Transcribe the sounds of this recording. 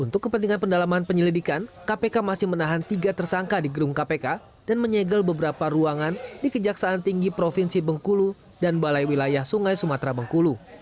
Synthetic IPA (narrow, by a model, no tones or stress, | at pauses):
unt̪ʊkːəpənt̪̬iŋanpəndalamanpəɲəlidikankapekamasɪhmənaɦant̪iɡat̪ərsaŋkadiɡəɾuŋkapeka | danməɲɛɡəlbəbəɾapaɾuaŋandikəd͡ʒaksaːnt̪iŋɡipɾofinsibəŋkulu | danbalajwilajahsuŋajsumat̪ɾabəŋkulu